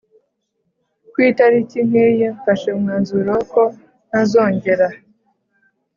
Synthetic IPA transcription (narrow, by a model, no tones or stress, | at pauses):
kwiːtaɾiciŋ̥ejeɱfaʃemŋaːnzuɾoko | nazo̞ːɲɟe̞ɾa